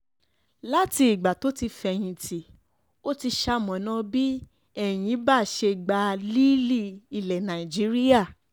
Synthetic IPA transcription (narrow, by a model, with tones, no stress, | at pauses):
la˦ti˧i˨ɡ͡ba˨to˦ti˧fɛ˧j̃ĩ˧tʰi˨ | o˦ti˧ʃa˧mɔ̃˨nã˦bi˦ | ɛ˦˨j̃ĩ˨˦ba˦˨ʃe˧˨ɡ͡ba˧li˦li˦˨i˨lɛ˨nã˨i˨d͡ʒi˨˦ɾi˦ja˦˨